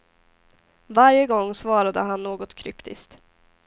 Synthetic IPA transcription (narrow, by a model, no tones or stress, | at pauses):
vaɾjəɡɔŋːsvɑːɾad̪ə̰ɦanːoːɡɔt̪kʰɾʏpt̪ʰɪ̰st̪